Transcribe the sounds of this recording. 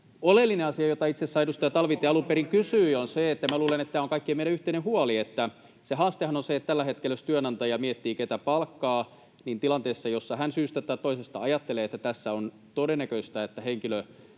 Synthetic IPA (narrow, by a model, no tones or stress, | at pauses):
olelːineɑsiɑjot̪ɑit̪sesːɑeɾust̪ɑjɑt̪ɑlʋit̪eɑlumpeɾiŋkysyːonseet̪ːæmæluːlenet̪t̪ːæːoŋkɑikːiemeiɾæyht̪einehuɑliet̪ːæ | seɦɑːst̪ehɑnonseet̪ːt̪ælːæhet̪kelæøst̪yønɑnt̪ɑjɑmiet̪ːiːket̪æpɑlkːɑː | nint̪ilɑnt̪eːsːɑjosːɑhænsyːst̪æt̪ɑit̪oisest̪ɑɑjɑt̪ːeleːet̪ːæt̪æsːæon | t̪odenːækøist̪æet̪ːæheŋkilø